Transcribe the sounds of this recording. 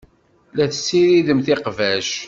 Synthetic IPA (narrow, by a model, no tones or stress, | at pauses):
læθə̥sːiɾiðəmθɪqvæʃ